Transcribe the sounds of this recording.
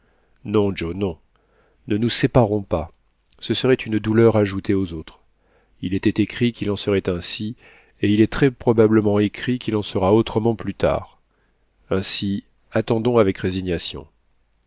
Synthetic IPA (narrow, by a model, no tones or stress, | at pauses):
nɔ̃d͡ʒonɔ̃ | nənusepaʁɔ̃pa | səsəʁɛt̪ynd̪ulœʁaʒut̪eozot̪χ | ilɛt̪ɛt̪ekχikʲilɑ̃səʁɛt̪ɛ̃si | eilɛt̪χɛpχɔbabləmɑ̃ekχikʲilɑ̃səʁaot̪χəmɑ̃plyt̪a̰ːʁ | ɛ̃si | at̪ɑ̃d̪ɔ̃avɛkʁeziɲjasjɔ̰̃